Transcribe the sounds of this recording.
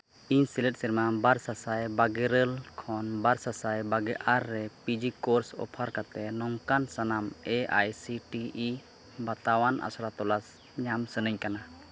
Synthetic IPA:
iɲsilɛʈ̚sɛɾmabaɾsasajbaɡɛɾəlkʰɔnbaɾsasajbaɡɛʔaɾːɛpid͡ʒikoɾsɔ̰pʰaɾkat̪ɛnɔŋkansanamɛa̰jsiʈii | bat̪awanʔa̰sɔɾat̪ɔlas | ɲamsənəɲkana

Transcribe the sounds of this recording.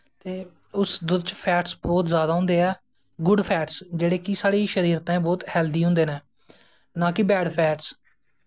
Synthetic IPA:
t̪eː | ʊsd̪ʊd̪t͡ʃpʰɛːʈsbɔːt̪zjaːd̪aːɦʊ̃ːnd̪eːɛː | ɡʊɖpʰɛːʈsd͡ʒeːɽeːkɪsaːɽiːʃəɾiːɾt̪ɛ̃ːbɔːt̪hɛːld̪iːɦʊ̃nd̪eːnɛ̃ː | nãːkɪbɛːɖpʰɛːʈs

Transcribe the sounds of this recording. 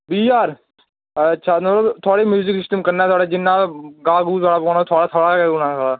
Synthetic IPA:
biːaːɾː | ʃʰaːmələt̪ʰʊaːɽeːmjuːzɪksɪsʈəmkəɾnãːt̪ʰwaːɽeːd͡ʒɪnːãːɡaːɡuːt̪ʰaːɽaːbɔːnãt̪ʰaːɽaːt̪ʰoːɽaːɡaːɡuːɳãːt̪ʰoːɽaː

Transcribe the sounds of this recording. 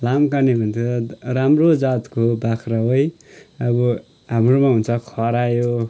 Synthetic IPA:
lamkanebʱʌnt͡sʰʌɾamrod͡zat̪kobakʰraɦoj | ʌbʌ | ɦamromaɦunt͡sʰʌkʰʌɾajo

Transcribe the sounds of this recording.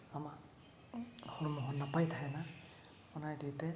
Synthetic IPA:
ama | hɔɹumɔɦɔnnːapajtʰaɛna | ɔnajditɛ

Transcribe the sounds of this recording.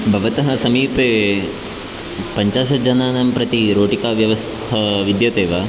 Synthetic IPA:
bʱɐʋɐt̪ɐɦɐsɐmiːpeː | pɐɲt͡ʃaːʃɐd͡ʒɐnaːnɐmpɾɐt̪iɾoːʈikaːʋjɐʋɐst̪ʰɐʋid̪jɐt̪eːʋa

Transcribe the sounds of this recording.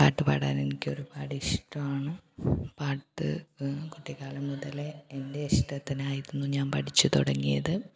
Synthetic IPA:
paːʈːɨpɐ̰ːɽa̰ːne̞nikʲːo̞ɾubaːɽiʂʈːɐmaːɳɨpaːʈːɨ̰kuʈːikːaːlɐmːuðɐleendeiʂʈɐt̪ːinaːjiɾunːuɲaːmpɐʈʰit͡ɕːut̪uɽɐŋːijɐðɨ

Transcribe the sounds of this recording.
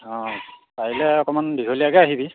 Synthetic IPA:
ɔ̃pailɛɔkɔmanbizʱoliaɡɛaɦibi

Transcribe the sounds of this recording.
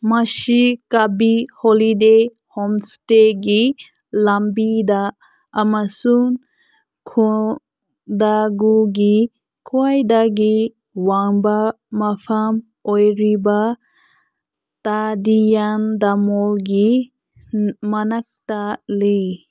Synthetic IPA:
masikabiholide | hɔmsteɡi | lambidaː | masuŋ | kʰo | daɡuɡi | kʰuajdaɡi | waŋba | mapʰam | ojɾiba | tadijandamɔlɡi | manak̚tale

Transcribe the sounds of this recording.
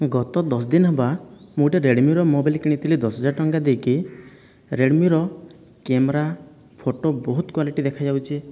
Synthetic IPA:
ɡɔt̪ɔd̪ɔs̬d̪inɔɦebamuʈeɾeɽmjuɾɔmobilkiɽ̃it̪ʰilid̪ɔsɔd͡ʒaʈɔŋɡad̪ejki | ɾeɽmjuɾɔ | kemɾa | pʰoʈobɔɦut̪kwaliʈid̪ekʰad͡ʒawt͡ʃʰi

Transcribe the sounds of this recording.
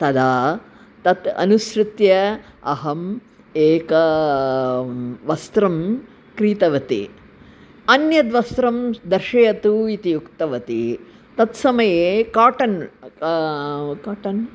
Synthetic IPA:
t̪ɐd̪aː | t̪ɐt̪ɐ̰nuʃɾɪt̪jɐɐɦɐm | eːkɐ | ʋɐst̪ɾɐm | kɾiːt̪ɐʋɐt̪ḭ | ɐnjɐd̪ʋɐst̪ɾɐmd̪ɐɾʃɐjɐt̪uit̪ijukt̪ɐʋɐt̪i | t̪ɐt̪sɐmɐjeːkaːʈɐn | kaːʈɐn

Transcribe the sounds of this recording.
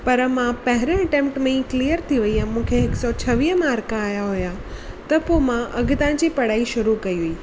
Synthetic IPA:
pɐɾmãpɐɦɪɾə̃ɐʈẽːmpʈmẽĩklijəɾt̪ʰiʋɐiɛ̃mũːkʰeɦɪksɔt͡ɕʰɐʋiːɦəmaːɾkaːjaɦuja | t̪ɐpomãʔɐɡt̪ãd͡ʑipɐɽaːiʃʊɾukɐiɦuiː

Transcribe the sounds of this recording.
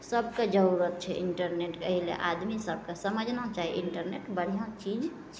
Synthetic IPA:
səbked͡ʒəɾuɾət̪̚t͡ʃʰɛʔiɳʈəɾneʈkəɦilḛʔad̪misəb̚ʱkesəməd͡ʒʱnat͡ʃaɦiʔiɳʈəɾneʈbəɽ̤ijãt͡ʃid͡ʒ | t͡ʃʰ

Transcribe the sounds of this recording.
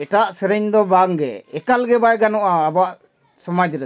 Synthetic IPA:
ɛʈaʔsɛɾɛɲd̪ɔbaŋɡɛ̰ɛkalɡɛbajɡanɔʔaːbɔaʔ | sɔmad͡ʒɾɛ

